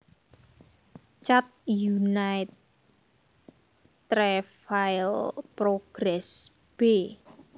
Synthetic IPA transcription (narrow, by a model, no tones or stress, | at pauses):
t͡ʃat̪̚junaɪt̪̚ | ɾɛfaɪlpɾoɡ̥ɾɛs | b̥e